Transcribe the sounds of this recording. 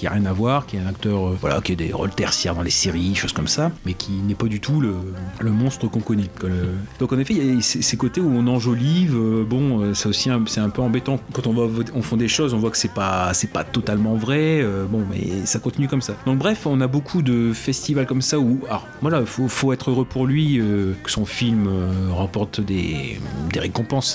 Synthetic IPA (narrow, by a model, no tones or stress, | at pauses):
kʲia̰ʁjɛ̃navwaʁkʲiɛt̪ɛ̃nak̚t̪œʁøvwa̰la̰kʲiad̪ḛʁɔ̰lt̪ɛʁsjɛʁd̪ɑ̃lesiʁiʃoz̥kɔmsamɛkʲʰinɛpad̪yt̪ʰulələmɔ̃st̪χəkɔ̃kɔnɛkalød̪̥ɔ̃kɑ̃nefɛasɛsekot̪euɔ̃nɑ̃ʒolivøbɔ̃øsɛosiɛ̃sɛɛ̃pøɑ̃bɛt̪ɑ̃kɑ̃t̪ɔ̃vwavɔ̃fɔ̃d̪eʃozɔ̃vwakə̥sɛpasɛpa̰t̪ɔt̪almɑ̃vʁɛøbɔ̃mɛ̰sakɔ̃t̪inykɔmsad̪ɑ̃bʁɛfɔ̃nabokʰud̪əfɛst̪ivalkɔmsaualɔ̰ʁ | vwalafofoɛt̪χøʁøpʰuʁlɥiøkə̥sɔ̃filmøøʁɑ̃pɔʁt̪d̪ḛd̪eʁekɔ̃pɑ̃s